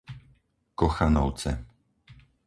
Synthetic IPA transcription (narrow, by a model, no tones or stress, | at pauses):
kɔxanɔwt̪sɛ